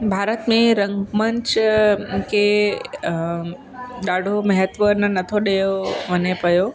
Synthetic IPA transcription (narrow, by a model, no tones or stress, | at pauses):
bʱaːɾət̪mẽɾɐ̃ŋɡmə̃ɲt͡ɕ | kʰe | ɗaːɖʱomɐɦət̪ʋənənɐt̪ʰoɗejoʋɐnepɐjo